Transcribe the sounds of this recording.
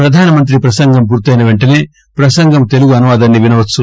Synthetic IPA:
ɾɐd̪ʱaːnɐmɐnt̪̬ɾipɾɐsɐŋɡɐmpuːɾt̪iɐjnɐʋe̞ɳʈɐne̞ː | pɾɐsɐŋɡɐmt̪e̞luɡuɐnuʋaːd̪ɐnːiʋinɐʋɐt͡ʃːu

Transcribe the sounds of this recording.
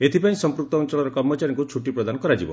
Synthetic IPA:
et̪ʰipaĩsɔmpɾuk̚t̪ɔunt͡ʃɔɭɔɾɔkɔɾmɔt͡ʃaɾjɔ̃ŋkut͡ʃʰuʈipɾɔd̪anɔkɔɾad͡ʒibɔ̰

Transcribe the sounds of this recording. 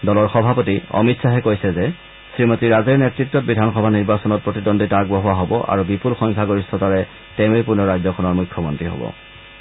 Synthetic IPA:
dɔlɔɹxɔbʱapɔtiɔ̰mitsaɦɛkojsɛzɛ | sɹimɔtiɹazɛɹnɛtɹitːɔt̚bidʱanxɔbʱaniɹbasɔnɔt̚pɹotidɔnditaɹɡbɔɦʊwaɦobɔʔa̰ɹubipulxɔŋkʰaɡoɹistʰɔtaɹɛ | tɛʊejpunɔɹajzɔkʰɔnɔɹmujkʰːjɔmɔntɹiɦɔ̰bɔ̰

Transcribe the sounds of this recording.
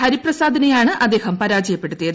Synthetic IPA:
hɐɾiprɐsaːd̪ʱɐnɐjaːɳɨʔɐd̪ːe̞ːhɐmpɐɾaːd͡ʑɐjɐpːe̞ɽut̪ːijɐð

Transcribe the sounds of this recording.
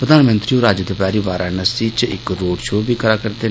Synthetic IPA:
pɾəd̪aːnmə̃nt̪ɾiːoːɾaːd͡ʒəd̪ɪpaːɾiːbaːɾanəsiːt͡ʃɪ̰kɾoːɖʃoːbʱiːkəɾaːkəɾt̪eː

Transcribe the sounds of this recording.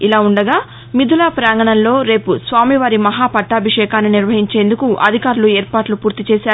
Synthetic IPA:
ilaːuɳɖɐɡaː | mid̪ʱulaːpɾaːŋɡɐɳɐnlo̞ːɾe̞ːpusʋaːmiʋaːɾimɐɦaːpɐʈːaːbʱiʂɛːkaːnːiniɾʋɐɦiɲt͡ʃe̞ːnd̪ukuʔɐ̰d̪ʱikaːɾulueːɾpaːʈlupuːɾt̪it͡ʃɛːsaːu

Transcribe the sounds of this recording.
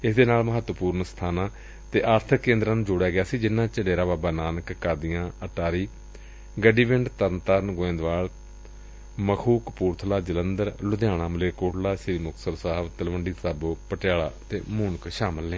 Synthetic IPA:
ɪsd̪eːnaːlməɦət̪ːəpuːɾnsə̥t̪ʰaːnãː | t̪eːʔaːɾt̪ʰəkːẽːnd̪ɾaːnũːd͡ʒʊːɽjaːɡɪjaːsiːd͡ʒɪnːãːt͡ʃəɖeːɾaːbaːbaːnaːnəkːaːd̪ijãːəʈaːɾiː | ɡəɖiːbɪɳɖt̪əɾnt̪aːɾnɡoẽːnd̪ʋaːɽ | məkʰuːkpuːɾt̪ʰlaːd͡ʒələnd̪əɾlʊd̪jaːɽ̃ãːməleːkoːʈlaːʃɪɾiːmʊksəɾsaːʋt̪əlʋəɳɖiːsaːboːpəʈɪjaːla̰ːt̪eːmʊːnkʃaːməlːẽː

